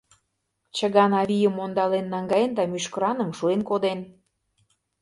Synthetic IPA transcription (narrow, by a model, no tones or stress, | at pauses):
t͡ɕəɣɑnɑβʲijəmːond̪ɑlenːɑŋɡɑend̪ɑmyʃkəɾɑnə̆mʃuenkod̪en